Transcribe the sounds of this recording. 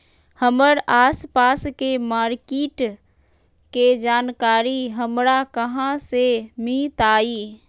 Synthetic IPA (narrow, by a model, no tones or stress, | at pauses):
həməɾaːspaːskemaːɾkeːʈ | ked͡ʒaːnkaːɾiɦəmɾakəɦãsemĩːt̪aːiː